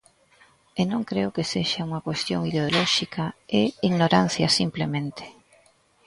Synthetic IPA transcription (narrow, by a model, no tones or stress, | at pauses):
enõŋkɾeʊkeseʃauŋɐkwest̪joŋiðeolɔʃikaeiɣnoɾan̟θjɐ̰simplemẽnt̪e̥